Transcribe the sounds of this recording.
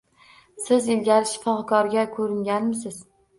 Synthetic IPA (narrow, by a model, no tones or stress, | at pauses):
sɪzɪlɡʲaɾɪʃɪ̥fɒqkʰɒɾɡʲakʰɵɾɪŋɡʲanmɪsɪz̥